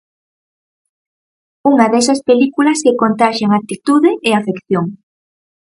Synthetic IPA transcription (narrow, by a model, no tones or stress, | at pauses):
uŋɐðɛsɐspelikulɐsekont̪aʃaŋat̪it̪uðɪʔeafekθjoŋ